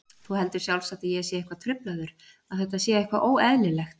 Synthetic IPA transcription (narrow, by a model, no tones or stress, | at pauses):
θuhɛlt̪ʏɾ̥sjawlsat̪ɪjɛsjɛɪhkvat̪ʰɾʏplaðʏɾ̥ | aðθɛht̪asjɛɪhkvaʔoːwɛðnɪlɛxt̪̚